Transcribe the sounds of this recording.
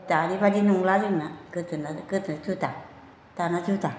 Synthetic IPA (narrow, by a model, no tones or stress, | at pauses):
t̪anĩbadinũŋlaɾinãkɨt̪ɨnãkɨt̪ɨt͡ʃut̪a | t̪anãt͡ʃut̪a